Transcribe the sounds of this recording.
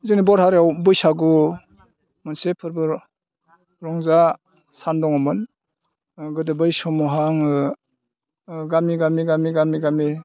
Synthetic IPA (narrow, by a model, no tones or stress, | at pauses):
zɯnibɔɾhaɾeawbɯjsaɡu | mɯnsepʰɯɾbɯ | ɾɔŋza | sandɔŋɔmɯn | ɡɯdebɯjsɔmɔɦaŋ | ɡamiɡamiɡamiɡamiɡami